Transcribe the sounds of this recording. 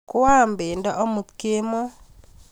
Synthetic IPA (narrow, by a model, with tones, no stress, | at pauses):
kʊ˦a˦˨mbe˨ndɔ˦ʔɔ˦mu˨t̪ke˦mo˦